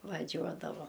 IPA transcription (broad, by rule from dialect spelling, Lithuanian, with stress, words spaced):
ʋɐˈʒʲuɔdɐʋoː